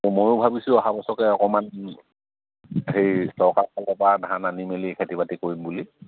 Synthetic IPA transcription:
mojʊbʱabisʊɔɦabɔsɔkɛɔkɔman | ɦejsɔɹkaɹkalɛpadʱãnanimelikʰetibatikoɹimbuli

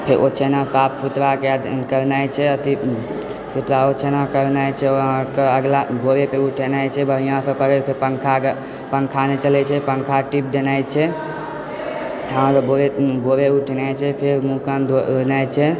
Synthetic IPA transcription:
pʰeɾo̰t͡ʃʰenasapsut̪ɾakead̪kəɾnajt͡ʃʰɛət̪i | sut̪ɾaot͡ʃʰenakəɾnajt͡ʃʰɛɔɦkeəɡlaboɾepeuʈʰenajt͡ʃʰɛbʱəɾ̤ijãsəpəɾepʰeɾpəŋkʰa | pəŋkʰanet͡ʃəlɛt͡ʃʰɛpəŋkʰaʈip̚d̪enajt͡ʃʰɛ | ããɾboɾeboɾeuʈʰnajt͡ʃʰɛpʰeɾmukand̪oɾnajt͡ʃʰɛ

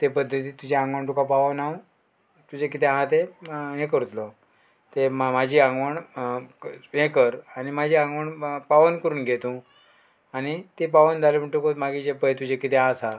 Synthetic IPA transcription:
t̪epəd̪ʱːət̪iːt̪ud͡ʑeãŋɡʋaɳʈukapaʋənaw | t̪ud͡ʑek̬it̪eɦãt̪eɦẽkəɾut̪lɔ | t̪emmad͡ʑʱiːãŋɡʋəɳ | ɦẽkəɾanimad͡ʑʱiːãŋɡʋəɳpaʋənkəɾuːnɡʱet̪ũ | añit̪ep̬aʋənd̪ʱaleməɳʈukot̪maɡid͡ʑepəjt̪ud͡ʑekit̪eɦãsa

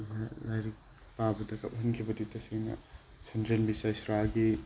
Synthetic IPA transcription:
lalajɾik̚ | pabɐdɐkʰɐp̚hɐnkʰibɐditɐseŋnɐ̰ | sʰɐndɾenbisajsɾaɡi

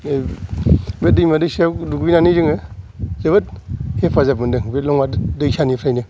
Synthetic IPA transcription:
bet̚dɯjmadɯjsaduɡjnanizɯŋɯzabɐt̚hepʰazabɯndɯŋbelɔŋmadɯjsanipʰɾajnɯ

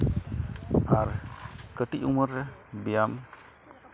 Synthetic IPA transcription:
aɾkəʈicuməɾbijam

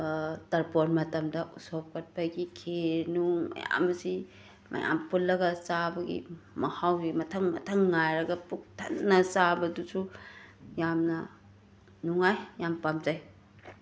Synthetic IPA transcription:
tɐɾponmɐtɐmdɐʔusop̚kɐt̚paɡikʰenuŋmɐ̰ja̰mɐsi | mʔɐ̰ja̰mpulːɐɡɐsabɐɡḭmɐhawɡimɐtʰɐŋmɐ̰tʰɐŋːajɾɐɡɐpuk̚tʰɐnːɐt͡ʃabɐdusu | jamnɐ | nuŋajːampamd͡ʒaj

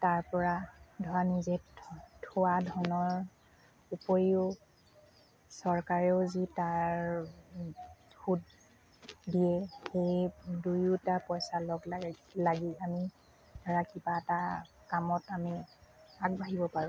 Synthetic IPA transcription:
taɹpɔɹadʱɔɹanizɛtʰʊwadʱɔnɔɹ | upojiʊ | sɔɹkaɹɛʊzitaɹ | xut | dijɛxejdujutapɔjsalɔɡllaɡiami | dʱɔɹakibaɛta | kamɔtamiaɡ̚bʱaɦibɔpaɹʊ̃

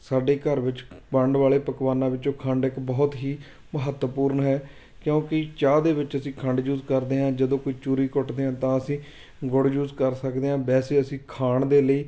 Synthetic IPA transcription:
saːɖeːkəɾʋɪt͡ʃpəɳɖʋaːɭeːpəkʋaːnãːʋɪt͡ʃõːkʰəɳɖɪkbɔːt̪ɦiː | məɦət̪wəpuːɾɳɦɛː | kjõːkɪt͡ʃaːd̪eːʋɪt͡ʃəsĩːkʰəɳɖd͡ʒuːzkəɾd̪eːɦãːd͡ʒəd̪õːkoːiːt͡ʃuːɾiːkʊʈd̪eːɦãːt̪ãːəsĩː | ɡʊɽd͡ʒuːzkəɾsəkd̪eːɦãːbɛːseːəsĩːkʰaːɳd̪eːləiː

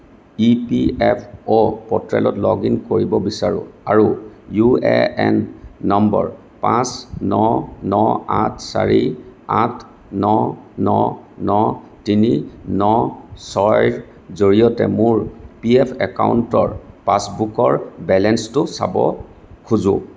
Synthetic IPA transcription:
ipiɛpʰopɔtɹɛ̰lɔtlɔɡinkoɹibɔbisaɹʊ̰̃aɹujuɛɛnːɔmbɔɹ | pãsnɔnɔatʰsa̰ɹiatʰ | nɔnɔnɔ | tininɔsɔjɹ | zoɹiɔtɛmʊɹpiɛpʰɛkawuntɔɹpasbukɔɹbɛlɛnstʊsabɔ̰ | kʰuzʊ̰̃

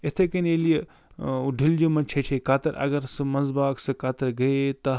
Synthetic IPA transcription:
et̪ʰekɐnelije | ɖʱild͡ʒomɐt͡ʃʰet͡ʃʰekaːt̪ɐɾʔɐ̰ɡɐɾsɨmɐzbaːksɨkaːt̪ɐɾɡɐet̪ɐ

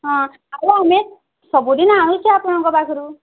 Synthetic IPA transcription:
ɦɔ̃ | aɾuame | sɔbud̪inaɽ̃ũt͡ʃʰiapɔɽ̃aŋkɔbakʰɔɾu

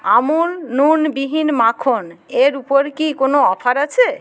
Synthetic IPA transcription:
amulnunbiɦinmakʰoneɾupoɾkikonoɔpʰaɾat͡ɕʰe

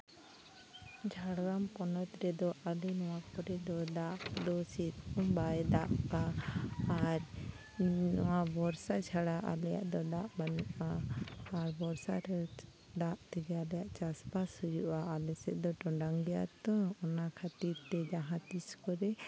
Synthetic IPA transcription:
d͡ʒʰʱaɽɡamkɔnɔt̪ɾɛd̪ɔʔalɛnɔwakɔɾɛd̪ɔd̪aʔd̪ɔsit̪kumbajd̪aʔkaː | ɾ | nɔwabɔɾsat͡ʃʰaɽaʔa̰lɛja̰ʔd̪ɔd̪aʔbanuʔaː | ɾbɔɾsaɾ | d̪aʔt̪ɛɡaalɛjaʔt͡ʃaspashujuʔaalɛsɛʔd̪ɔʈɔɳɖaŋɡɛja̰ʔt̪ɔɔnakʰat̪iɾt̪ɛd͡ʒaɦãt̪iskɔɾɛ

